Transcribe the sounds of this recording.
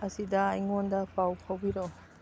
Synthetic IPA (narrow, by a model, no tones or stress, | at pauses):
ɐsidɐːjŋondɐpawpʰawbiɾɔ